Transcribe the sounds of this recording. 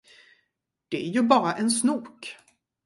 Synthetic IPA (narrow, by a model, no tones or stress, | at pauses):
d̪̥ɛæɾjɵbɑːɾaʔɛnsnuːk